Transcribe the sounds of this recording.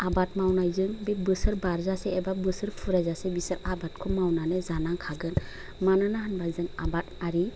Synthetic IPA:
abat̚mawnajzɯŋbebɯsɯɾbaɾzasɛːbabɯsɯɾpʰuɾajzasɛbisaɾabat̚kʰɔmawnanezanaŋkʰaɡɯn | manɯnaɦanbazɯŋabataɾi

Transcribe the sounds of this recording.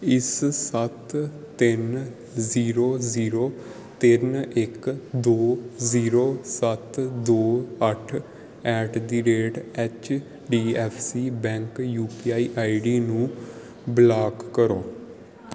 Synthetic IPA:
ɪssət̪ː | ɪn | ziːɾoːziːɾoː | t̪ɪnɪkd̪oːziːɾoːsət̪d̪oːəʈʰ | ɛːʈd̪iːɖeːʈɛːt͡ʃ | ɖiːɛːpʰsiːbɛ̃ːŋkjuːpiːaːiːʔaːiɖiːnũː | blaːkːəɾoː

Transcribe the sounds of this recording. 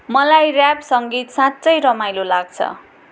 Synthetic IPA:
mʌlajrjapsʌŋɡit̪sãtt͡sʌjɾʌmajlolaɡ̚t͡sʰʌ̰

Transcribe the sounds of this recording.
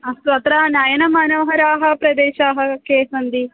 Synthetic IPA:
ɐsʋɐt̪ɾaːnaːjɐnɐmaːnɐʋɐɦɐɾaːɦɐpɾɐd̪eːʃaːɦɐkeːsɐnd̪i

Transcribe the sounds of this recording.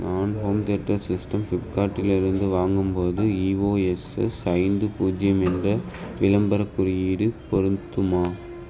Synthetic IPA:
nʔaːnɦoːmt̪ɛʈrɐsɪsʈɐmfɪʈ̚kaːʈːɪlɪɾɯnd̪ɯʋaːŋɡɯmpoːðɯiːʋoːɛsɛ̰sɐɪnd̪ɯpuːd͡ʒɪjɐmɛndrɐ | ʋɪlɐmbɐɾɐkːɯɾɪjiːɽɯpɔɾɯnt̪ːɯmaː

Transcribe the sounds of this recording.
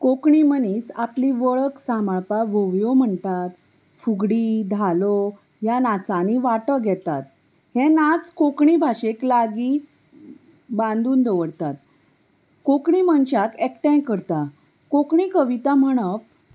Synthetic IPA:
kokɳiməniːsapliʋəɭəksamaɭpaʋoʋjom̤əɳt̪at̪ | fuɡɽid̪ʱalo | janat͡saniʋaʈəɡʱɛt̪a̰t̪ | hẽnat͡skokɳibʱaɕeklaɡi | bãnd̪uːnd̪əʋəɽt̪at̪̚ | kokɳimənt͡ɕakekʈɛ̃j̃kəɾt̪a | kokɳikəʋit̪am̤əɽ̃əp

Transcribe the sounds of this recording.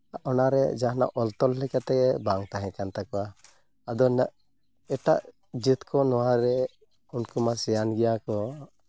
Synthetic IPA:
aʔɔnaɾɛ̰d͡ʒaɦna̰ʔɔlt̪ɔlːɛkat̪ɛɛbaŋt̪aɦɛ̃kant̪akɔwa | ad̪ɔna | ɛʈaʔ | d͡ʒit̪kʰɔnɔwaɾɛ | unkumasɛjanɡɛjakɔ

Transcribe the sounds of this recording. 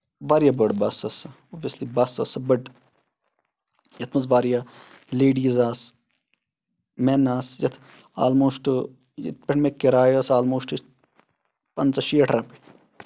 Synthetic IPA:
ʋaːɾjabəɽbɐsɐsɐ | oʋɐslibɐsɐsɐbɐɖ | jɐt̪ʰmɐs̬ʋaːɾjaː | leːɖiːzaːs | mɛnaːsjɐt̪ʰ | a̰ːlmoːʃʈɨ | jɐ̰t̪̚peʈmekːiɾaːjɐːsaːlmoːʃʈis | pɐnt͡sɐʃeːʈʰɾɐpe

